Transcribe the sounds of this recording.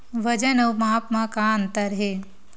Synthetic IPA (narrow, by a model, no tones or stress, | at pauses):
ʋɐd͡ʒɐnɐwmaːpmakant̪ɐɾɦe